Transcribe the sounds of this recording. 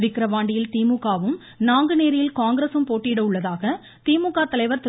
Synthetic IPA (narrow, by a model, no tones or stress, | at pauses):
ʋɪkɾɐʋaːɳɖɪjɪlt̪iːmukːaːʋɯm | naːŋɡɯneːɾɪjɪlkaːŋɡɪɾesɯmpoːʈːɪɪɽɐʊɭːɐðaːɣɐ | t̪iːmukːaːt̪ɐlɐɪʋɐɾt̪ɪ